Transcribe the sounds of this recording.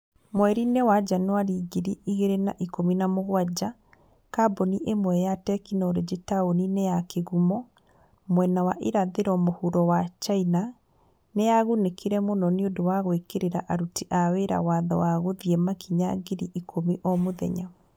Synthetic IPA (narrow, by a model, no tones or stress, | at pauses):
mwɛɾinewad͡ʒanwaɾiɣiɾiiɣeɾenaʔikominamoɣwad͡ʑa | kaboniʔemwɛjatɛkinɔɾed͡ʑetaoninejakeɣumɔ | mwɛnawaʔiɾaðeɾɔmohuɾɔwat͡ʃaina | nejaɣunekʰiɾɛmonɔneodowaɣwekeɾeɾaʔaɾutiʔaweɾa̰waðɔ̰waɣoðiɛmakiɲaɡeɾiʔikʰomiʔɔmoðɛ̰ɲa